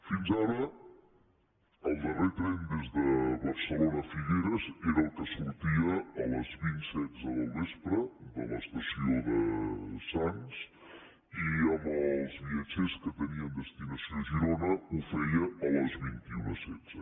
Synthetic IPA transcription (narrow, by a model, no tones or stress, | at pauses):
finzaɾə | əlˠd̪əret̪ɾɛnd̪ezðəβəɾsəlonəfiɣeɾəzeɾəəlˠkəsuɾt̪iəːləzβint̪sɛdd͡zəðəlˠβespɾəd̪ələ̰st̪əsioðəsans | iəməlˠzβiət͡ʃeskət̪əniənd̪əst̪inəsioʒiɾonəufɛijəːləzβint̪iunəsɛdz̥ə